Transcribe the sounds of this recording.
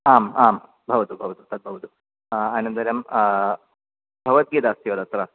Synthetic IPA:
aːmaːm | bʱɐʋɐt̪ubʱɐʋɐt̪ut̪ɐd̪̚bʱɐʋɐt̪u | aːnɐnd̪ɐɾjɐm | bʱɐʋɐt̪̚ɡid̪ast̪iʋɐd̪ɐt̪ɾa

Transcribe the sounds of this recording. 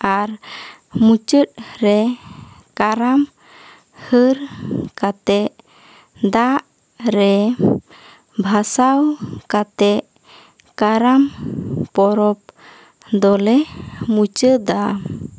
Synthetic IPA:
aɾ | mut͡ʃət̚ɾɛ | kaɾam | həɾkat̪ɛʔ | d̪aʔ | ɾɛ | bʱasawkat̪ɛʔ | kaɾampɔɾɔp̚ | d̪ɔlɛmut͡ʃəd̪a

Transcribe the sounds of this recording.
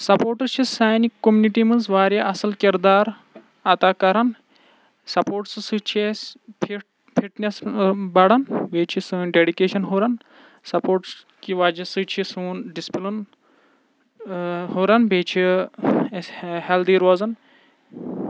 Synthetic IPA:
sɐpoːʈɐɾt͡ʃʰisaːjnikːomjuniʈimɐnzʋaːɾjaɐsɐlkiɾd̪aːɾ | ɐt̪akɐɾɐn | sɐpoːɾʈsɨsɨt͡ʃʰespʰiʈ | pʰiʈnʲesbɐɽɐnbʱeːt͡ʃʰisɨːnɖeːɽikeːʃɐnɦoːɾɐn | sɐpoːʈs | kiʋaːd͡ʒɐsɨt͡ʃʰisuːnɖispilun | hoːɾɐnbʱeːt͡ʃʰi | held̪iːɾoːzɐn

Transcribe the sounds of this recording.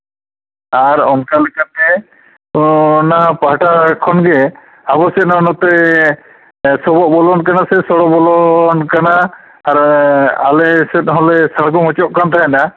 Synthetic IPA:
aɾɔnkalɛkat̪̚ɛ | naɦãpaɦʈakʰɔnɡɛ | abɔsɛt̪̚nanɔt̪ɛ | sɔbɔʔ̚bɔlɔnk̬anasɛsɔɽɔbɔlɔnkanaː | ɾalɛsɛt̪̚ɦɔlɛsaɽkɔŋɔt͡ʃɔʔkant̪ʰaɛna

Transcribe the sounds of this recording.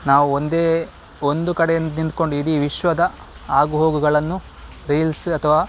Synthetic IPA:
naːʋuond̪e̞ː | o̞nd̪ukɐɽejɐnːnint̪̚ko̞ɳɖuiɽiːʋiʃʋɐd̪ɐ | aːɡuɦoːɡuɡɐɭɐnːu | ɾiːlsɐt̪ʰɐʋaː

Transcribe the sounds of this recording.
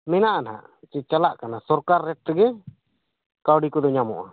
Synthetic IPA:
mɛnaʔanɦa̰ʔ | t͡ʃɛt͡ʃalaʔkanasɔɾkaɾːɛʈ̚t̪ɛɡɛ | kawɖikɔd̪ɔɲamɔ̰ʔa̰

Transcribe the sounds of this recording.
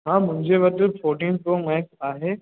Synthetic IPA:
ɦãːmʊ̃ɦɪ̃ɲd͡ʑeʋɐt̪əfoːɾʈĩːnpomɛːkaːɦeː

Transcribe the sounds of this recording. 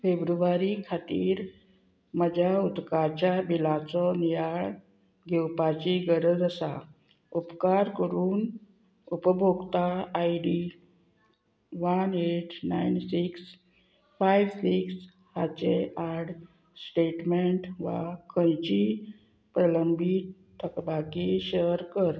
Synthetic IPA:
febɾuʋaɾikʰat̪iːɾ | məd͡ʑʱaut̪kat͡ɕjabilat͡sɔnijaɭ | ɡʱɛwpat͡ɕiɡəɾəd͡zəsa̰ | upkaɾkəɾuːn | upəbʱoɡt̪aːiɖi | ʋəneʈʰnajnsiks | fajʋsiks | hat͡ɕeaɾɽ | sʈeʈmeɳʈʋa̰kʰə̃jt͡ɕi | pɾələmbʱi | t̪ʰəkbakiɕəɾkəɾ

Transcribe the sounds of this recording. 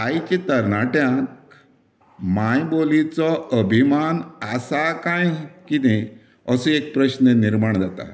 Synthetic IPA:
ajt͡ɕit̪əɾnaʈjãk | majbolit͡sɔəbʱimanasakãjkit̪ẽ | əsuek̚pɾəɕnəniɾmaɳd͡zat̪a̰

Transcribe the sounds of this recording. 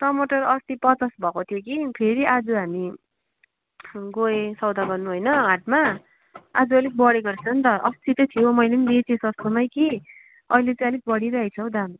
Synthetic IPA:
ʈʌmoʈʌrʌst̪ipʌt͡sasbʱʌkot̪ʰijokipʰeɾiad͡zuɦami | ɡoesʌwd̪aɡʌrnuɦojnʌaʈ̚ma | ad͡zuʌjlek̚bʌɽeɡʌrt͡sʰʌnt̪ʌʔʌst̪it̪ʌjt̪ʰijomʌjlenidet͡sisʌst̪onʌjki | ʌilet͡sãʌlek̚bʌɽiɾaɦʌjt͡sʰʌw̃d̪an

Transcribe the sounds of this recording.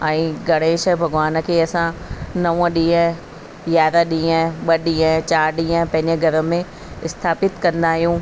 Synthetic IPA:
ɛ̃ːɡʱɐɽ̃eːʃə̆bʱɐɡʋaːnə̆kʰeːɐsãnɐʋ̃ɗĩːə̃ | jjaːɾaɗĩːə̃ɓɐɗĩːə̃t͡ɕaːɾɗĩːə̃pɐ̃ɦɪ̃ɲd͡ʑəɡʱɐɾə̆mẽ | ɪst̪ʰaːpɪt̪kɐ̃nd̪aːɦijũː

